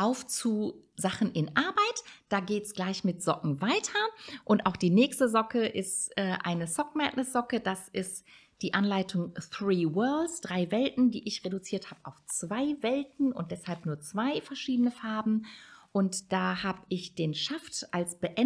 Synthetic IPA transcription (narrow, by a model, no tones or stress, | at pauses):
ʔaʊft͡suː | zaχn̩ʔɪnʔaɐbaɪtd̥aːɡeːtsɡ̥laɪçmɪtz̥ɔkŋ̩vaɪtʰɐʔʊntʔaʊxd̥iːnɛːçstəzɔkəʔɪstʔɛːʔa̰ɪnəsɔk̚mɛtnɛsz̥ɔkəd̥asʔɪst | d̥iːʔanlaɪtʰʊŋθʁiːwɜɐlsd̥ʁaɪvɛltn̩dḭːʔɪçʁedut͡siːɐthaːb̥əʔaʊft͡sv̥aɪvɛltn̩ʊ̰nt̚d̥ɛshalpnuːɐt͡sv̥aɪfɛɐʃiːdənəfaɐbm̩ʔʊntd̥aːhaːbəʔɪçd̥eːnʃaftʔalsb̥əʔɛ